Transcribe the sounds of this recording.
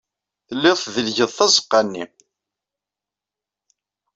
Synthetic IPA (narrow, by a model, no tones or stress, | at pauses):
θəlːɪðˤθðəlʝəðˤθɑzˤə̥qːanːi